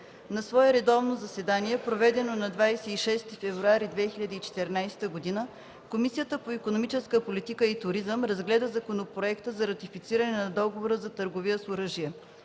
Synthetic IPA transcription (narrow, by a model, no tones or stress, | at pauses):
nɐsvɔɛɾɛd̪ɔvnozɐsɛd̪aniɛpɾovɛd̪ɛnonɐd̪vajsɛiʃɛst̪ifɛvɾuaɾid̪vɛxilʲɐd̪iːt͡ʃɛ̥t̪ɛɾnajst̪əɡod̪inə | komisijət̪əpoikonomit͡ʃɛskəpolit̪ikəit̪ʊɾizəmɾɐzɡlɛd̪əzɐkonopɾoɛkt̪əzɐɾɐt̪ifit̪siɾɐnɛnɐd̪ɔɡovoɾəzɐt̪əɾɡovijəsoɾɤʒijɛ